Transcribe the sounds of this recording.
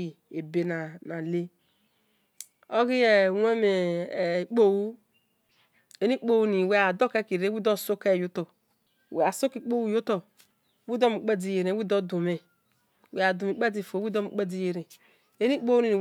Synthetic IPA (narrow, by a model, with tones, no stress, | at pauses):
i˨ | e˨be˨na˨na˨le˦ | o˦ɡi˦je˨we˦me˨k͡po˦wu˦ | e˦ni˦k͡po˦wu˦ni˨we˦a˨do˦ke˦ki˨ɾe˦wi˦do˦˨so˦ke˦˨jo˦to˨ | we˨a˨so˦ki˦k͡po˦wu˦˨jo˦to˨˦ | wi˦do˦mi˨k͡pe˦di˨je˨ɾe˨˦wi˦do˦du˨me˨ | we˨a˨du˨mi˨k͡pe˦di˦˨fo˨wi˦do˦mi˨k͡pe˦di˦je˨ɾe˨ | e˦ni˦k͡po˦wu˦ni˦ni˨